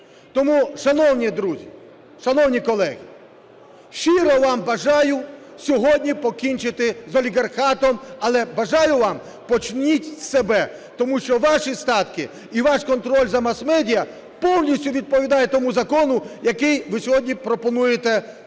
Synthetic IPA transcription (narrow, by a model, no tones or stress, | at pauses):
t̪ɔmuʃɐnɔwnʲid̪ɾuzʲi | ʃɐnɔwnʲikɔlˠɛɦʲi | ʃiɾɔʋɑmbɐʒɑjʊ | sʲɔɦɔdʲnʲipɔkʲinʲt͡ʃɪt̪ɪzɔlʲiɣɐrxɑt̪ɔmɐlˠɛbɐʒɑjʊʋɑm | pɔt͡ʃnʲitʲsebɛ | t̪ɔmuʃt͡ʃɔʋɑʃist̪ɑt̪kɪ | iʋɑʃkɔnt̪ɾɔlʲzɐmɐsmɛdʲijɐ | pɔwnʲisʲtʲʊʋʲid̪̚pɔʋʲid̪ɑjɛt̪ɔmuzɐkɔnʊjɐkɪjʋɪsʲɔɦɔdʲnʲipɾɔpɔnujet̪ɛ